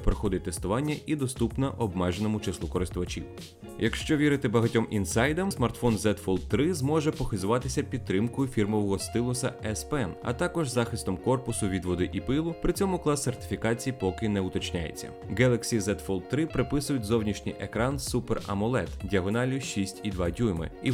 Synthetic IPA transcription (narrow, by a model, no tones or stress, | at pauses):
pɾɔxɔd̪ɪt̚ʲt̪est̪ʊʋɑnʲːɐʔid̪ɔst̪upnɐʔɔbmɛʒenɔmʊt͡ʃeslˠukɔɾɪst̪ʊʋɐt͡ʃʲḭw | jɐkʃt͡ʃɔʋʲiɾɪt̪ɪbɐɦɐtʲɔmʔinsɑjd̪ɐmsmɐrt̪fɔnzɛt̪fɔlˠd̪t̪ːɾɪzmɔʒɛpɔxɪzʊʋɑt̪ɪsʲɐpʲid̪̚t̪ːɾɪmkɔjʊfʲirmɔʋɔɦɔst̪ɪlˠʊsɐɛspɛɛnɐ̰t̪ɑkɔʒzɑxɪst̪ɔmkɔrpʊsʊʋʲid̪ʋɔd̪ɪʔipɪlˠʊpɾɪt͡sʲɔmʊklˠɑsːert̪ɪ̥fʲikɑt͡sʲijipɔkɪnɛʊt̪ɔt͡ʃnʲajḛt͡sʲːɐ̰ɡɛlˠɐksʲizɛt̪fɔlˠd̪̚t̪ːɾɪpɾɪpɪsʊjʊtʲzɔwnʲiʃnʲḭjʔekɾɑnsuperɐ̰mɔlˠɛt̪dʲiɐɦɔnɑlʲʊʃʲisʲtʲid̪ʋɑdʲumɪ̰ḭ